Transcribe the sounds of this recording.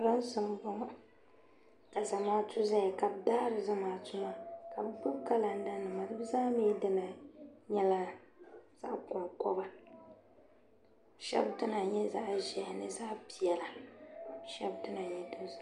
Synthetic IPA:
ɾa˦n˦sɨ˨m˦bʊ˦ŋa˦ | ka˨za˨maː˦tu˦za˦ja˨ka˨bdaː˦ɾɨ˨za˦maː˨tʊ˦ma˦ka˨bɨ˦bʊ˦bka˦la˨n̩˦da˦nɨ˨ma˨dɨ˦bɨ˦zaː˦miː˦dɨ˦na˨ɲɛ˦la˦ | z̥a̰˦ʔkʊ˨ŋkɔ˦ba˦˨ | ʃɛ̰˦btɨ˦na˨ɲɛ˦za˦ʔʒɛ˨jnɨ˨za˦ʔpi˨jɛ˨la˨ | ʃɛ̰˦btɨ˦na˨ɲɛ˦dʊ˦z

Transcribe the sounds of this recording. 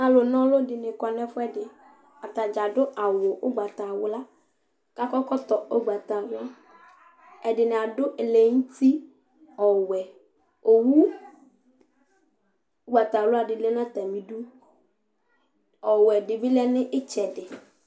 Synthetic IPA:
a˨lʊ˨nɔ̃˦lʊ˦dɪ˨nɪ˨kɔ˨nɛ˦fʊ˦ɛ˦dɪ˨ | a˨t̪a˨d͡ʒa˨dʊ˦ʔa˨wʊ˨ʔʊ˦ɡ͡ba˨t̪a˨wʊ˨la˦ | ka˦kɔ˦kɔ˦t̪ɔ˨o˦ɡ͡ba˨t̪a˨wʊ˦a˦ | ɛ˨dɪ˨nɪ̃˨a˨dʊ˦ʔle˨ŋ̩˦ti˦ | ɔ˨wɛ˨ | o˨wu˦ | o˦ɡ͡ba˨t̪a˨lʊ˦a˨dɪ˨le˦nã˦t̪a˨mĩ˨du˦ | ɔ˨wɛ˨dɪ˨bɪ˦lɛ˦nɪ˦ʔɪ˦t͡ʃɛ˨dɪ˨

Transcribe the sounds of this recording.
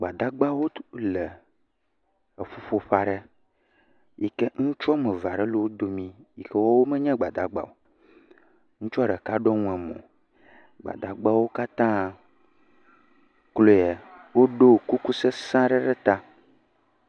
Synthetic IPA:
ɡ͡ba˨d̪a˦ɡ͡ba˦wo˦lɛ˨ | e˨ɸu˦ɸo˦ɸa˨ɖɛ˦ | ji˨ke˦ŋũ˦t͡ʃɔ˦mɛ̃˨va˨ɖɛ˦lo˨wo˦d̪o˨mĩ˦ji˨ke˦wɔ˦wo˦mɛ˦ɲɛ̃˦ɡ͡ba˨d̪a˨ɡ͡ba̰˨wo˨ | ŋũ˦t͡ʃɔ˦ɖɛ˨ka˦ɖɔ˦ŋũ˦ɛ˨mɔ̰̃˨ | ɡ͡ba̰˨d̪a˨ɡ͡ba˦wo˦ka˦t̪ã˦ | klo˦jɛ˨ | wo˦ɖo˦˨ku˦ku˦se˦sã˦ɖɛ˦ɖɛ˦t̪a˦

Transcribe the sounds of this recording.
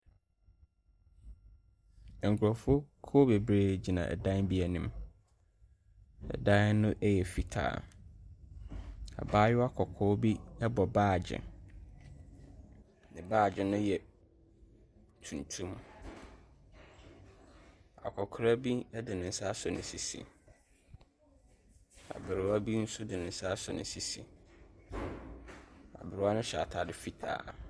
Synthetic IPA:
ɛ˨ŋ̩˨kʰʊ˨ɾɔ˨fʊ˦ʊ˦kʰo˦be˨bɾeː˦˨d͡ʑi˨nã̰˨ɛ̰˨dã˦n˦bi˦æ˨nĩ˦m | ɛ̰˨dã˦nʊ̃˦ʔɛ˦jɛ˨fi˨tʰa̰ː˨ | a̰˨baː˦jʊ˦a˦kʰɔ˨kʰɔ˦bi˦ɛ˦bɔ˨baː˦˨d͡ʑɪ̰˨ | nɪ̃˨baː˦˨d͡ʑɪ˨nʊ̃˦jɛ˨ | tʰũ˨ntʰũ˦m | a̰˨kʰɔ˨kʰɾa˦bi˦ɛ˦dɪ˨nɪ̃˨n̩˦sa˦sʊ˨nɪ̰̃˨si˨sḭ˨ | a̰˨bɪ˨ɾʊ˨˦a˦bi˦n̩˦sʊ˦dɪ˨nɪ̃˨n̩˦sa˦sɔ̰˨nɪ̰̃˨˦si˨sḭ˨ | a̰˨bɪ˨ɾʊ˨˦a˦nʊ̃˦ɕa˨tʰa˨dɪ˦fi˦tʰa̰ː˨

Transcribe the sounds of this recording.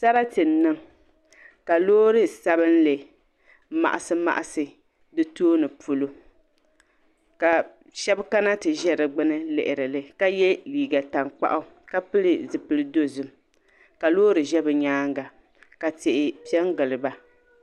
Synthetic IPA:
sa˦ɾa˦tɨ˨nː˦ɨ˦ŋ | ka˨loː˦ɾɨ˦sa˦bɨ˦n˦lɨ˨ | ma̰˨ʔa˨sɨ˦ma̰˨ʔa˨sɨ˨ | dɨ˦toː˦nɨ˨pu˨lo˦ | ka˨ | ʃɛ˦bka˦na˦tɨ˨ʒɛ˦ɾɨ˨ɡ͡bɨ˦nɨ˦lɪ̰˨ʔɪ˨ɾɨ˨lɨ˨ka˦jɛ˦liː˨ɡa˨ta˨ŋk͡pa̰˦ʔʊ˦ | ka˦pɨ˦lɨ˨zɨ˨pɨ˦lɨ˦do˦zɨ˨m | ka˨loː˦ɾɨ˨ʒɛ˦bɨ˨ɲaː˦ŋɡa˨ | ka˨tɪ˨ʔɪ˨pi˦ɛ˦ŋɡɨ˨lɨ˨ba˦

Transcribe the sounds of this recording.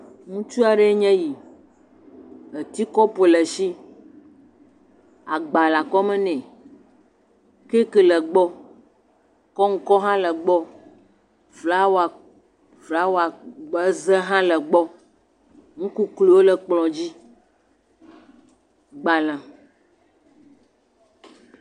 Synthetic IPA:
ŋũ˦t͡ʃu˦a˨ɖe˦e˦ɲɛ̃˦ji˨ | ə˨t̪i˦kɔ˦po˨lə˨ʃi˦ | a˨ɡ͡ba˨la˨kɔ˦mɛ̃˦nɛ̃˨ | ke˦kə˨lə˨ɡ͡bɔ˦ | kɔ˦ŋ̩˦kɔ˦ɦã˦lə˨ɡ͡bɔ˦ | fla˦wo˨˦a˨ | vla˦wo˦a˨ɡ͡bə˦zɛ˦ɦã˦lə˨ɡ͡bɔ˦ | ŋ̩̃˦ku˦klo˨wo˦lə˨k͡plɔ̃˨d͡ʑi˦ | ɡ͡ba˨lã˨

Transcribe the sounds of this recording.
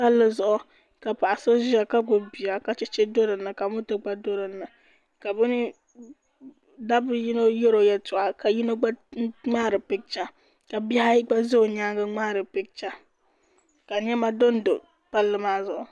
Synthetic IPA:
pa˦lːɨ˦zʊ˦ʔʊ˨ | ka˨pa˨ʔa˨sɨ˦ʒɪ˦a˨ka˦ɡo˨bi˨a˨ka˦t͡ʃɛ˦t͡ʃɛ˦do˦ɾɨ˨nɨ˨ka˨mʊ˦tɨ˦ɡ͡ba˦do˦ɾɨ˨nːɨ˨ | ka˨bɨ˦nɪ˦ | da˦bɨ˦ji˦no˦je˦ɾo˨jɛ˨tʊ˨ʔa˨ka˨ji˦no˦ɡ͡ba˦ŋ͡maː˦˨ɾɨ˨pɪ˦k̚t͡ʃa˦ | ka˨bi˦ha˦ji˦ɡ͡ba˦zɪ˦o˨ɲaː˦ɡa˦ŋ͡maː˦˨ɾɨ˨pɪ˦k̚t͡ʃa˦ | ka˨ɲɛ˦ma˦do˦n˦do˨ | pa˦lːɨ˦maː˦zʊ˨ʔʊ˨

